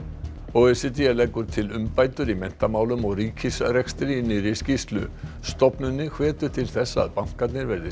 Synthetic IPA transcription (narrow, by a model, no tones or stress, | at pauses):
owɛsɪt̪iɛlɛjkːʏɾ̥t̪ʰɪlʏmpaːjt̪ʏɾimɛn̥t̪amaːwlʏmɔɣriːcʰɪsrɛkst̪ɾinːɪɾɪscist̪lʏ̰st̪ɔpnʏnːɪkʰvɛːt̪ʏt̪ʰɪlθɛsːa̰ːðpaŋ̥kat̪nɪɾvɛɾðɪ